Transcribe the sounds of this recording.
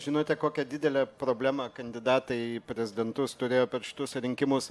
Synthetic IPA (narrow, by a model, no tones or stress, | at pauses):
ʒʲɪnoːt̪ʲɛkoːkʲɛd̪ʲɪd̪ʲɛlʲɛpɾoːbʲlʲæːmɐkɐnʲd̪ʲɪd̪ɑːt̪ɐɪpʲɾʲɛzʲɪd̪ʲɛnt̪ʊst̪ʊɾʲeːjoːpʲɛɾʃʲɪ̥t̪ʊsɾʲɪŋʲkʲɪmʊs